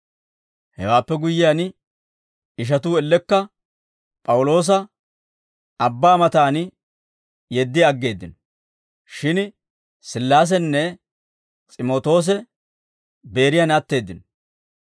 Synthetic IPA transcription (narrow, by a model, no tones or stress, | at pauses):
hɛ̰waːpːɛɡʊjːɪjaːn | ɪʃ̬ɐt̪uːɛlːɛkːɐ | pʼɐwʊlo̞ːs̬ɐ | ɐbːaːmɐt̪aːn | jɛd̪ːɪɐɡːe̞ːd̪ːɪnɔ | ʃɪn | sɪlːaːs̬ɛnːɛ | t͡sʼɪmo̞ːt̪o̞ːs̬ɛ | be̞ːɾɪjanɐt̪ːe̞ːd̪ːɪnɔ